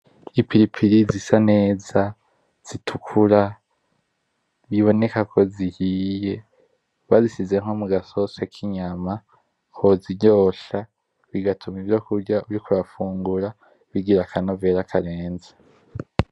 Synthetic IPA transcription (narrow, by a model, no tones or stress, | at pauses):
ipʰiɾipʰiɾizisane̞ːza | z̥itʰukʰuɾa | βiβo̞ne̞kakʰo̞zihiːje̞ | βazisize̞ŋ̥ho̞muɡaso̞sakʰiɲama | oziɟoːʃa | βiɡatʰumivjo̞kuɾɟauɾikuɾafuːŋɡuɾa | βiɡiɾakʰanove̞ːɾakʰaɾe̞ːnze